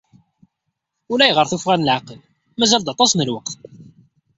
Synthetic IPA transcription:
ʊlæjʁəɾθufʁænəlʕaqəl | mæzæld̪ɑt̪ˤɑsnəlwəqθ

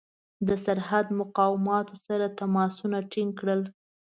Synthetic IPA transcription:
d̪əsaɾhad̪mʊqɑwɪmɑt̪osaɾat̪amɑsunaʈiŋɡkɽəl

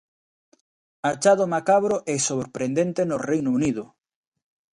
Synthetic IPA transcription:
at͡ʃaðomakaβɾoʔɛsoβɾpɾend̪ent̪enorejnouniðʊ

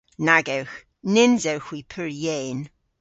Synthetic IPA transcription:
naɡɛwx | nɪnzɛwxwipʰəɹjeːn

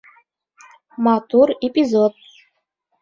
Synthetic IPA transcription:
mat̪uɾɛpʲʼizɔd̪̚

